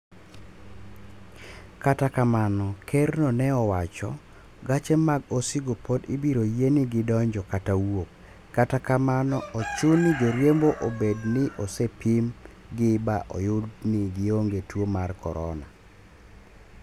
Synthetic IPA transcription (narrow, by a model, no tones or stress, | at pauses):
katakamanɔkʰernɔnɛɔwat͡ʃɔ̰ | ɡat͡ʃemaɡosɪɡopodḭbiɾojenɪɡɪdɔɲd͡ʒɔkatawokː | atakamanɔɔt͡ʃʊnid͡ʒoɾjemboʔobednɪʔosepim | ɡɪbaʔɔ̰jʊdnɪɡɪoŋɡetwomarkɔ̰ɾɔ̰na̰